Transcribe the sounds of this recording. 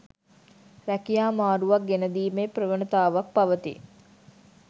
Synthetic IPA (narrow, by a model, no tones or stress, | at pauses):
ɾækijaːmaːɾuʋak̚ɡenəd̪iːmeprəʋənət̪aːʋak̚paʋət̪ḭ